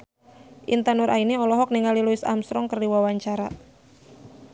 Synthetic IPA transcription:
ʔint̪anʊɾʔaineɔlɔɦɔk̚niŋaliluɪsa̰msɾɔŋkərdiwawaɲt͡ʃaɾa

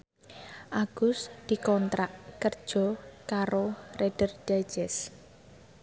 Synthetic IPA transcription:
ʔaɡ̥ʊ̤sd̪̥i̤kɔnt̪ɾaʔkərd̥ʒ̥ɔkaɾored̥ərɖ̥ad͡ʒ̥ɛs

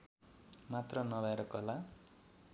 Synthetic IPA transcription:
mat̪rʌnʌbaeɾʌkʌla

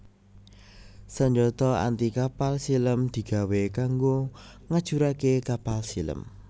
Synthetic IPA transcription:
səɲd͡ʒɔt̪ɔa̰nt̪ikapalsiləmd̪̥i̤ɡ̥a̤wekaŋɡo | ŋad̥ʒ̥uɾakekapalsilə̰m

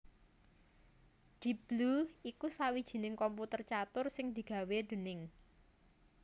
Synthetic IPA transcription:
d̪̥i̤b̥luikusawid̥ʒ̥i̤nɪŋkɔmput̪ərt͡ʃat̪ʊrsɪŋd̪̥i̤ɡ̥a̤wed̪̥ṳnɪŋ

